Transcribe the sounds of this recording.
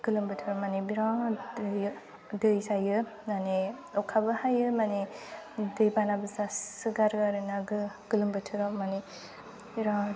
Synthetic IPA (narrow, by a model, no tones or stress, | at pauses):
ɡ̥ɯlɯmbɯtʰɯɾɔmanebiɾãd | dɯjsajɯnaneɔkʰabɯhajɯmane | dɯjbanabɯsasɯɡaɾɡaɾɯnaɡɯɡɯlɯmbɯtʰɯɾɔmːane | biɾã